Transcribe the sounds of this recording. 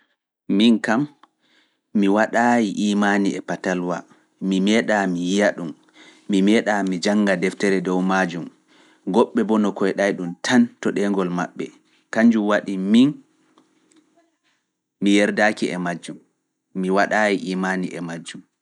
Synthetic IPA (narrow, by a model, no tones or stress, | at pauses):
minkamː | iwaɗajiʔiːmaniɛpatalwa̰ | mimɛɗamijijaɗumː | imɛɗamid͡ʒaŋːɡadɛftɛɾɛdɔwmad͡ʒum | ɡɔɓːɛbɔnɔkɔjɗajɗumtʰantɔɗɛŋɡɔlma̰ɓːɛ̰ | kaɲd͡ʒumwaɗimin | mijɛɾdakiɛ̰mad͡ʒumː | iwaɗaːjiʔiːmaniʔɛ̰mad͡ʒum